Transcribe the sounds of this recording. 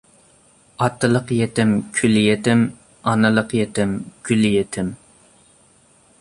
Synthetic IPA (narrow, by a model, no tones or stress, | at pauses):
ɑt̪ʰːɨlˠəqjet̪ɪmkʲʰyljet̪ɪm | ɑnɨlˠəqjet̪ɪmkʲʰyljet̪ʰɪm